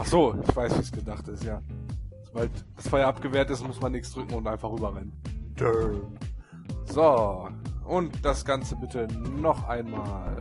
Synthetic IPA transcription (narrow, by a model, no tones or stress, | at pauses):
ʔaχz̥oːʔɪ̰çv̥aɪsv̥iːsɡ̥ədaχtɪstjaːz̥obaltd̥asfɔʏɐʔapɡ̥əvɛːɐtɪstmʊsmanːɪçsd̥ʁʏkŋ̩ʊntʔaɪnfaχʁyːbɐʁɛnənd̥ʰø | z̥o | ʔʊntd̥asɡ̥ant͡səbɪtʰənɔχʔaɪnmaːl